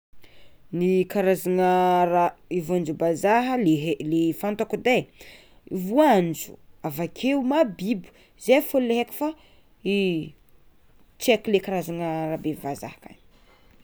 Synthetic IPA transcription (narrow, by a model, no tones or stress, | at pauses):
nikaɾazaŋəɾaivuand͡ʒubazaɦəleɦelefant̪okud̪e | ivuand͡ʒu̥̰avakʰeumabibu̥ | zefulleɦeki̥fa | i | t͡sekilekaɾazaŋaɾabevaza̰hka̰ni